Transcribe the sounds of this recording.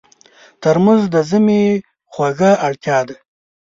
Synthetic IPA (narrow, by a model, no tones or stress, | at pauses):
t̪əɾmazd̪əzəme | xwaɣaʔaɽt̪jɑd̪a